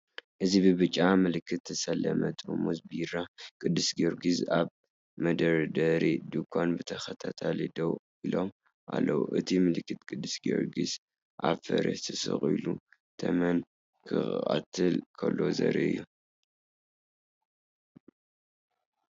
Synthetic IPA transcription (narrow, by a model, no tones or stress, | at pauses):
ʔɨzibɨbɨt͡ʃʼːamɨlɨkʰːɨt̪ʰːɨsɐlːɐmɐt̪ʼomuzbijɾakʼɨd̪ːɨsɡoɾɡizaβ | mɐd̪ɐɾd̪ɐɾid̪ɨkʷʰːanbɨt̪ʰɐxɐt̪ʰat̪ʰalid̪ɐwʔilo̞m | ʔa̰lːɐwuʔɨt̪ʰimɨlɨkːɨt̪kʼɨd̪ːɨsɡoɾɡiz | ʔaβfɐ̰ɾɐ̰t̪ʰɨsɨ̰χʼilu | t̪ʰɐmɐn | kʰɨa̰t̪ʰɨlkʰɐlːo̞zɐ̰ɾḭʔɨ̰jːu